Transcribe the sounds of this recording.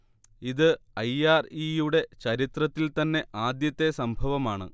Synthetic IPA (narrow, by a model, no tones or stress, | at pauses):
iðɨ | ɐjaːrijuɽe̞t͡ɕɐɾit̪rɐt̪ːilt̪ɐnːe̞ʔaːd̪jɐt̪ːe̞sɐmbʱɐʋɐmaːɳɨ̰